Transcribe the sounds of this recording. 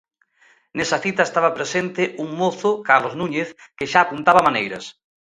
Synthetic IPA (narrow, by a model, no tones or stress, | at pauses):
nesɐθit̪ɐest̪aβ̞ɐpɾesent̪ɪʔuŋmoθʊkaɾloznuɲeθkɪʃaːpunt̪aβɐmanejɾɐ̰s